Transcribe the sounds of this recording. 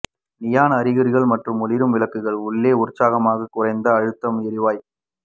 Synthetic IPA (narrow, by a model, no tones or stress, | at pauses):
nɪjaːnɐɾɪɣɐɾɪɣɐɭmɐʈrɯmʊlɪɾɯmʋɪlɐkːɯɣɐɭʊɭːeːʊrt͡ʃːaːɣɐmaːɣɐkʊrɐɪnd̪ɐːɻɯt̪ːɐmɪɾɪʋaːj